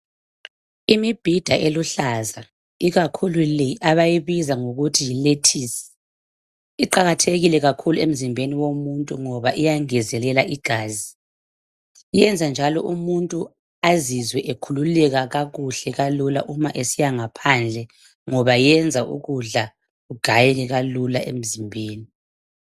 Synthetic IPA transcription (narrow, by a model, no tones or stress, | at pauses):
imib̥ʱid̥ʱaʔeluɬaza | iɣakʰululiʔaβajiβizaŋoɣutʰijiletʰisɛ̥ | iǃaɣatʰeɣilɛɣakʰuluem̩zimbʱeniwomuntʼuŋɔβaʔijaŋɛzɛlɛlaʔiɡ̥ʱaːzi | jɛnd͡zʱand͡ʒʱalɔ̰ʔumuntʼu | azizwɛʔekʰululɛɣaɣaɣuɬɛɣalula̰ʔumaʔesijaŋapʰand͡ɮʱɛ | ŋɔβajɛnd͡zʱaʔṵɣuɮa | ɣuɡ̥ʱajɛliɣalulaʔem̩zimbʱeːni